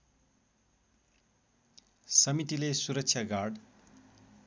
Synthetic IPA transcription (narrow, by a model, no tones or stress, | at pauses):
sʌmit̪ilesuɾʌk̚t͡sʰjaɡarɽ